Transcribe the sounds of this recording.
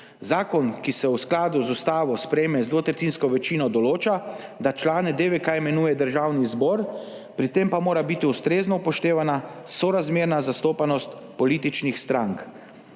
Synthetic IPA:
zaːkɔnkisɛwsklaːd̪uzust̪aːʋɔspɾɛjemɛzd̪ʋot̪ɾɛt̪iːnskɔʋɛt͡ʃiːnɔd̪ɔloːt͡ʃad̪at͡ʃlaːnɛd̪eʋekaɛmɛnuːjɛd̪əɾʒaːwnizbɔɾ | pɾit̪empamoːɾabit̪iust̪ɾeːznɔpɔʃt̪eːʋanasɔɾazmeːɾnazast̪oːpanɔst̪ | pɔliːt̪it͡ʃnixst̪ɾaŋk

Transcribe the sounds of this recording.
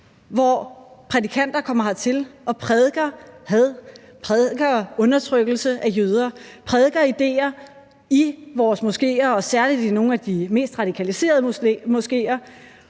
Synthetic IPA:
ʋɒpʰʁɛdikʰæn̰d̥ɐkʰɒ̽m̰ɐɦɑ̈t͡sʰe̝lɒ̽pʰʁɛðˠɡ̥ɐhæðˠ | pʰʁɛðˠɡ̥ɐɔ̽nɐt͡sʰʁœɡ̥l̩səʔæjøð̞ˠɐpʰʁɛðˠɡ̥ɐid̥e̝̰ːɐ | iʋɒːsmusɡ̥e̝̰ːɐɒ̽sæɐlid̥ino̝ːn̩æd̥ime̝̰ːsd̥ʁɑ̈ɾ̥ikʰælise̝̰ːɐð̞̩ˠmosɡ̥e̝̰ːɐ

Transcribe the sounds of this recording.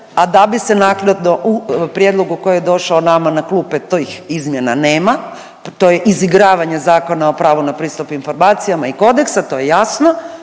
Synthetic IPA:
ad̪abise̞naklad̪noʔupɾjed̪lˠo̞ɡuko̞jejed̪o̞ʃaonamanaklˠupet̪ojixizmjena̰ne̞ːma | t̪o̞jeʔiziɡɾaːʋaɲe̞zaːko̞nao̞pɾaːʋunapɾiːst̪upinfo̞ɾmaːt̪sijamaiko̞d̪e̞ksat̪o̞ːjejasno

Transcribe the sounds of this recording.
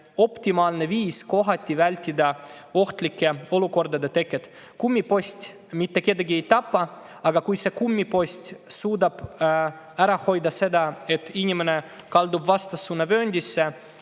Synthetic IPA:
o̞pt̪ʲimɑːlne̞viːsko̞ɦɑt̪ʲːˑivælʲt̪ʲːid̪ɑo̞ht̪likːe̞o̞luko̞rd̪ɑd̪et̪e̞kːˑet̪ | kumʲːipo̞sʲt̪ʲ | mit̪ːe̞ke̞d̪ɑɡie̞jt̪ɑpːɑ | ɑɡɑkujse̞kumʲːipo̞sʲt̪ʲsuːd̪ɑb̥ | æɾɑho̞jd̪ɑse̞d̪ɑe̞t̪ːinʲimene̞ | kɑld̪ubvɑst̪ɑsunːɑvø̞ːnʲd̪ʲisːe

